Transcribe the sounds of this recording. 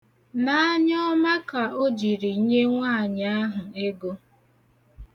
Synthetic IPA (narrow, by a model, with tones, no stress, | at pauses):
na˨a˦ɲɔ˦ma˦ka˨o˦d͡ʒi˨ɾi˨˦ɲe˦ŋʷa˦˨ɲa˦a˦ɦʊ˨e˦ɡo˦